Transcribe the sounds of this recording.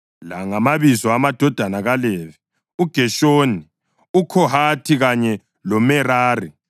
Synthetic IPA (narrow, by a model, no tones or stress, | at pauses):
laŋamaβizɔamad̥ʱɔd̥ʱanaɣalevi | uɡ̥ʱɛʃoːni | ukʰɔhatʰiɣaɲɛ | lɔmɛraːri